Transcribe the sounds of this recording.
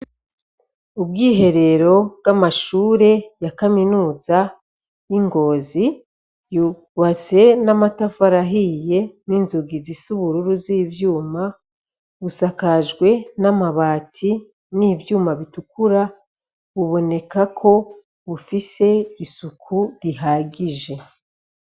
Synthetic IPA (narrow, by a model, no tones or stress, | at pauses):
ubɡiːɦe̞ɾe̞ɾo̞bɡamaʃuːɾe̞jakaminuːza | iŋɡo̞ːzi | ju | wat͡se̞namatafaɾaɦije̞niːnzuɡizisuβuɾuɾuziːvjuːma | βusakaʒɡwe̞namaβaːtʰi | niːvjuːmaβitukuɾa | βuβo̞ne̞kakʰo̞ | βufise̞isukʰuɾiɦaɡiʒe̞